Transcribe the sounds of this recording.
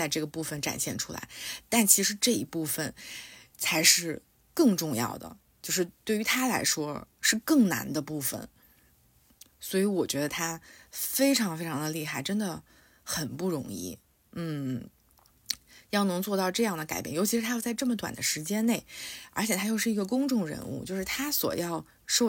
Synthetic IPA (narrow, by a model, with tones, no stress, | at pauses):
t͡sa˥˧ɪʈ͡ʂɤ˥˩ɡə˩pu˥˩fə˨˩nʈ͡ʂa̰˨˩nɕjɛ˥˩nʈ͡ʂʰu˥la̰˧˥ɪt̪a˥˩nt͡ɕʰi˧˥ʂɻ̩˧˥ʈ͡ʂɤ˥˩ḭ˧˥pu˥˩fə˨˩n | t͡sʰa˧˥ɪʂɻ̩˥˧ | kɤ˥˧ŋʈ͡ʂʊ˥˧ŋjɑ̰˥˩ʊd̪ə̰˩ | t͡ɕjo˥˧ʊʂɻ̩˥˧t̪we˥˩ɪy˧˥t̪ʰa˥la̰˧˥ɪʂwɔ˥ʂɻ̩˥˧kɤ˥˩ŋna̰˧˥nd̪ə˧pu˥˩fə̰˩n | swɔ˧˥i˧˥wɔ˨˩t͡ɕɥɛ˧˥d̪ə˧t̪ʰa˥fe˥ɪʈ͡ʂʰɑ˧˥ŋfe˥ɪʈ͡ʂʰɑ˧˥ŋd̪ə˧li˥˧xa˥˩ɪʈ͡ʂə˥nd̪ə˨ | xə˨˩npu˥˩ɻʊ̰˧˥ŋḭ˥˩ | n̩˥˩ | jɑ˥˩ʊnɤ˧˥ŋt͡swɔ˥˧ɑ˥˧ʊʈ͡ʂɤ˥˧jɑ˥˩ŋd̪ə˩ka̰˨˩ɪpjɛ̰˥˩njo˧˥t͡ɕʰi˧˥ʂɻ̩˧˥t̪ʰa˥jʊt͡sa˥˧ɪʈ͡ʂɤ˥˩mə˩t̪wa̰˨˩nd̪ə˦ʂɻ̩˧˥t͡ɕjɛ˥nne˥˩ɪə̰˞˧˥t͡ɕʰjɛ˨˩t̪ʰa˥jo˥˧ʂɻ̩˥˩i˧˥ɡə˧kʊ˥ŋʈ͡ʂʊ˥˩ŋɻə̰˧˥nṵ˥˧t͡ɕjo˥˧ʊʂɻ̩˥˩t̪ʰa˥swɔ̰˨˩jɑ˥˧ʊ | ʂo˥˧